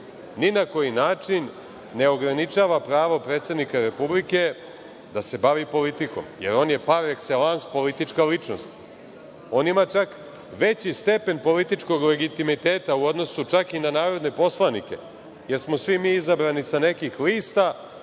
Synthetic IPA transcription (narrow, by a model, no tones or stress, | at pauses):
ninako̞jinaːt͡ʃinː | e̞o̞ɡɾanit͡ʃaːʋapɾaːʋo̞pɾe̞ːt̪se̞d̪nikaɾe̞publike̞ | d̪ase̞baʋipo̞lit̪iko̞mje̞ɾo̞ːnje̞paɾekselanspo̞lit̪it͡ʃkalit͡ʃno̞̰st̪ | o̞nimat͡ʃak | ʋe̞t͡ɕist̪e̞pe̞npo̞lit̪it͡ʃko̞ɡle̞ɡit̪imit̪eːt̪auo̞d̪no̞sut͡ʃakinanaːɾo̞d̪ne̞po̞slˠanike̞̰ | je̞ɾsmosʋimiːizabɾanisane̞kixliːst̪a